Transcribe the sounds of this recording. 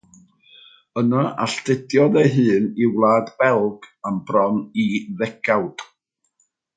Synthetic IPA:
ənaʔa̰ɬtɪdjɔðejɦɨːniwlˠaːdbɛlˠɡamb̥rɔniðɛɡ̥ʰawd̥

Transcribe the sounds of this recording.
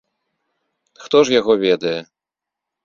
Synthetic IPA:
xt̪ɔʐjaɣɔvʲɛd̪ɐjɛ

